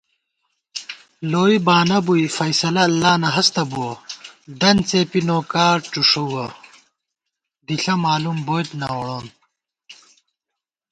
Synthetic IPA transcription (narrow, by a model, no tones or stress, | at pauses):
loːibaːnɐbujfɐjsɐlɐːlːaːnɐɦɐst̪ɐbuoɖɐnt͡seːpinoːkaːʈ͡ʂuʂuɡɐ | d̪iɬɐmaːlumboːjt̪nɐwoɽoːn